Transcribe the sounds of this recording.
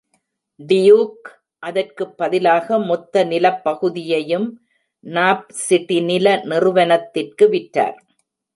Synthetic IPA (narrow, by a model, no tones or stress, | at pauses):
ɖɪjuːk | ʔɐðɐrkɯpːɐðɪlaːɣɐmɔt̪ːɐnɪlɐpːɐɣɯðɪjɐjɯm | naːp̚sɪʈːinɪlɐnɪrɯʋɐnɐt̪ːɪrkɯʋɪʈːa̰ːɾ